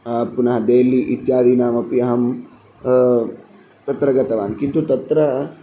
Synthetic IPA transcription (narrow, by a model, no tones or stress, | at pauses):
punɐɦɐd̪eːliʔit̪jaːd̪iːnaːmɐpjɐɦɐm | t̪ɐt̪ɾɐɡɐt̪ɐʋaːnkint̪ut̪ɐt̪ɾɐ